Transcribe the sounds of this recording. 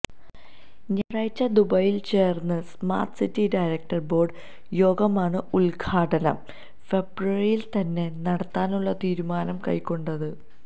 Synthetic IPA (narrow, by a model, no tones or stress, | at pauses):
ɲɐɻɐjt͡ɕːɐd̪ubɐjilt͡ɕe̞ːrnːɨsma̰ːrʈsitːiɖɐjɾɐk̚ʈɐrbo̞ːɖ | jo̞ːɡɐmaːɳɨulɡʰaːʈɐnɐm | fe̞bruɐrijilt̪ɐnːe̞nɐɽɐt̪ːaːnuɭːɐt̪iːɾumaːnɐmkɐ̰jkːo̞ɳɖɐðɨ